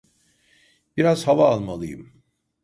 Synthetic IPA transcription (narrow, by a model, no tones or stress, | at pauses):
b̥iɾaz̥havaːlˠmalˠɯjɯ̰m